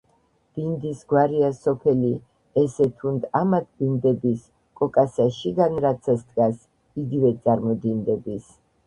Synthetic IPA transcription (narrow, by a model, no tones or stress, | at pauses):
b̥ind̪isɡwaɾiasɔpʰɛli | ɛsɛt̪ʰund̪amat̪ʰbind̪ɛbis | kʼɔkʼasaʃiɡanɾat̪sʰast̪ʼɡʼas | iɡivɛt̪sʼaɾmɔd̪ind̪ɛbis